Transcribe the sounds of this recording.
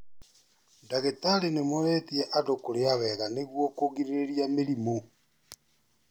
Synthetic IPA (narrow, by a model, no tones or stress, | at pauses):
ndaɣetaɾenemoɾɛtiɛʔadokoɾeawɛɣaneɣwɔkoɣiɾeɾeɾiameɾimo